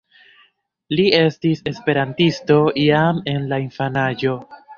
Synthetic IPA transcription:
lie̞stise̞spe̞ɾantisto̞iame̞nlainfanaʒo̞

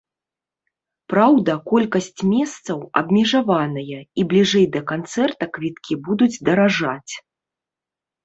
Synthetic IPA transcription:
pɾawd̪ɐkɔlʲkɐsʲt͡sʲmʲɛst̪sɐwɐ̰bmʲɛʐavanɐjɐiblʲiʐɛjd̪ɐkant̪sɛrt̪ɐkvʲit̪kʲʰibud̪ud͡zʲd̪ɐɾaʐat͡sʲ

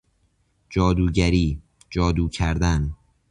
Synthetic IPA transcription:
d͡ʒɒːd̪uːɟæɾiː | d͡ʒɒːd̪uːcʰæɾd̪æn

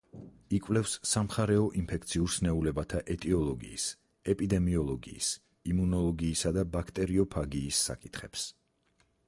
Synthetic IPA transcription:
ikʼwvlɛfsːamχaɾɛɔʔimpʰɛkʰt̪sʰiuɾsnɛulɛbat̪ʰaʔɛt̪ʼiɔlˠɔɡḭːs | ɛpʼid̪ɛmiɔlˠɔɡḭːs | imunɔlˠɔɡiːsad̪abakʰt̪ʼɛɾiɔpʰaɡiːsːa̰kʼit̪ʰχɛps

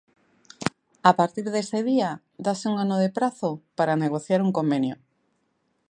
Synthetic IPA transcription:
apaɾt̪iɾðeseðia | d̪aseuŋanoð̞epɾaθopaɾaneɣ̞oθjaɾuŋkombenjo

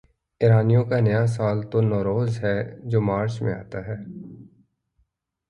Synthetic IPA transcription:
ɪɾaːnijõkanəjas̬aːlt̪onɔːɾoːzɦɛːd͡ʒoːmaːɾt͡ʃmḛ̃a̰ːt̪aɦɛː

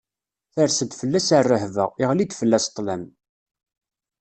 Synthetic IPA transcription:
θəɾsədt̪fəlːæsərːəhvəʁɪʁlid̪fəlːæst̪ˤːlæm

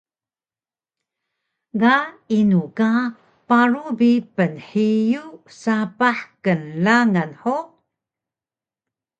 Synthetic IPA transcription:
ɡainuka | paɾubipənħijusapaħkənlaŋanħo

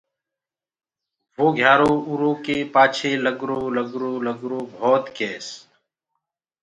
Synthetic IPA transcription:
ʋoːɡʱjaːɾoːuɾõːkeːpaːt͡ʃʰeːləɡɾoːləɡɾoːləɡɾoːbʱɔːt̪keːs

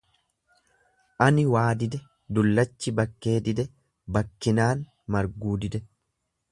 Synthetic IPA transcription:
ʔɐnɪwaːd̪ɪd̪ɛ | d̪ʊlːɐt͡ʃːɪbɐkːe̞ːd̪ɪd̪ɛ | bɐkːɪnaːn | mɐɾɡuːd̪ɪd̪ɛ

